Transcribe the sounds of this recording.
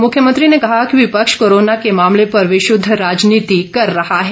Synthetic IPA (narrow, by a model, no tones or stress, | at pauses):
mʊkʰjəmə̃nt̪ɾinekɐɦakiʋɪpəkʃkoɾonakemamlepəɾʋɪʃʊd̪ʱːəɾad͡ʒnit̪ikəɾːəɦaɦe